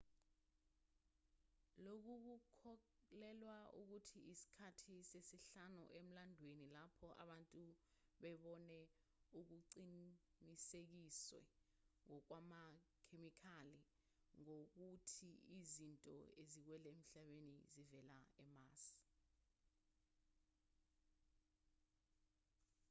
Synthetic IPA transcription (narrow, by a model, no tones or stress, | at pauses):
lok̬uk̬ukʰɔlɛlwaṵk̬utʰiisi̥kʰatʰisesiɬanṵʔem̩landʱwenilapʰɔʔa̰ɓantʼuɓɛɓɔnɛ | uk̬uǀi | nisek̬iswɛ̰ | ŋɔk̬wamakʰemikʰali | ŋok̬utʰiizintʼɔ̰ezik̬wɛlɛem̩ɬaɓenizivɛlaɛmaːsi̥